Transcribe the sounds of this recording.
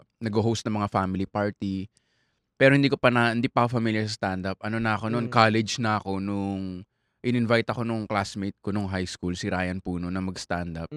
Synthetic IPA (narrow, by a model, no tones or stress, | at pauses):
nɐɡoɦowst̪nɐŋmɐŋafamɪlipaɹt̪i | pɛːɾohɪnd̪iːkopɐnɐɪnd̪iːpɐkofɐmiljɐɾsɐst̪and̪ɐp̚ɐno̞nɐɐko̞nonkaːlɛd͡ʒnɐɐko̞nʊŋ | ʔɪnʔɪnvajt̪ɐko̞nʊŋklasmit̪̚konʊŋɦajskulsɪɾaːjɐnpuːnonɐmɐɡst̪and̪ɐp̚